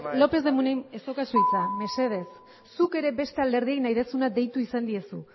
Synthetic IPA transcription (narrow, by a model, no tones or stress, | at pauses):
lo̞pe̞zd̪e̞munejme̞sokasuijt͡same̞se̞ð̞e̞sː | uke̞ɾe̞be̞st̪e̞ald̪e̞ɾðieinajðe̞sunad̪e̞jt̪uisand̪ie̞su